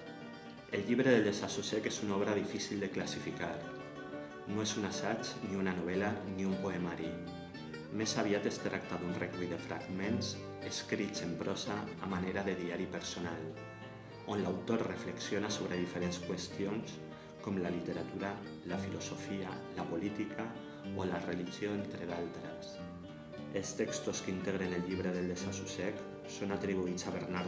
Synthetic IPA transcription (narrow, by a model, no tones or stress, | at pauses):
elʎiβɾeðeld̪esasusekezunaɔβ̞ɾaðifisilˠd̪eklasifikaɾ | noezunasat͡ʃniunanoβ̞ɛlaniumpoemaɾi | mesaβiat̪est̪ɾak̚t̪aðunrekuiðefɾa̰ɡmẽns | eskɾisempɾʔɔsaːmaneɾaðeðiaɾipeɾsonal | onlawt̪oɾrefleksjonasoβ̞ɾeð̞ifeɾenskwest̪ions | kɔmlalit̪eɾat̪uɾa | lafilosofialapolit̪ikʰa | olareliʒioent̪ɾeðalˠt̪ɾes | elˠst̪ɛkst̪oskint̪eɣɾeneʎʎiβ̞ɾeðeld̪esasusɛk | sonat̪ɾiβ̞uit͡saβeɾnaɾ